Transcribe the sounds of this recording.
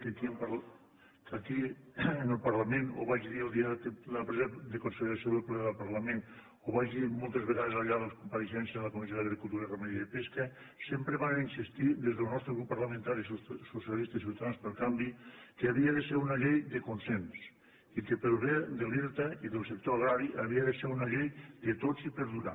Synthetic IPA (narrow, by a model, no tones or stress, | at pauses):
kekiəmpɾ | kakiənəlˠpaɾlameno̰βaʒiðiəlˠd̪iat̪lapɾɛzad̪əkonselɾasjoðəlplɛðəlˠpaɾlamen | oβaʒimɔlˠt̪ezβeɣaðezaʎaðəkumpaɾeʃɛnsjəðəlɐkomisjoðəɣɾikulˠt̪uɾəremeðiaðepeska | sempɾeβanninsist̪id̪ezðəlnɔst̪ɾeɣɾupːaɾləmẽnt̪aɾissosialist̪əis̬iwt̪aðanspəlˠkambikeaβiəðəseɾunaʎejd̪əkonsens | ikepelβed̪əliɾt̪aiðəlˠsek̚t̪oaɣɾaɾiʔaβiəðəseɾunaʎejd̪ət̪ozipəɾðuɾa̰